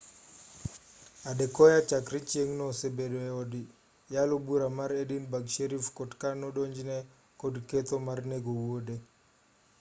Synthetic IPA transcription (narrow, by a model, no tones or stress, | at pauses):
adɛkɔjat͡ʃakɾit͡ʃeŋnɔsebedoɛɔdi | jalobuɾamaɾedinbaɡʃeɾifkɔdkanɔɗoɲd͡ʒnɛ | kɔdket̪omarneɡowode